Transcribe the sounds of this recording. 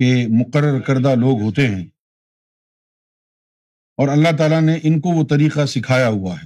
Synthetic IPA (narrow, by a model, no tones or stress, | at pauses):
emʊqəɾːəɾkɐɾd̪aloːɡɦoːt̪eɦɛ̃ː | ɔːɾɐlːaɦt̪̬aːlaneʔɪnkoʋot̪ɐɾiːqasɪkʰaːjaɦuaɦɛː